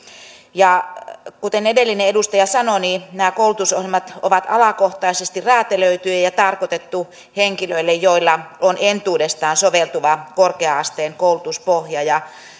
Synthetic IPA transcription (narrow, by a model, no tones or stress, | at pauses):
jɑkut̪enedelːineedust̪ɑjɑsɑnoninæːkoulut̪usohjelmɑt̪o̰ʋɑt̪ɑ̰lɑkoht̪ɑisest̪iræːt̪eløyt̪yæjɑt̪ɑrkot̪et̪ːu | heŋkiløilːejjoilːɑonent̪uːdest̪ɑːnsoʋelt̪uʋɑkorkeɑɑst̪eːŋkoulut̪uspohjɑjɑ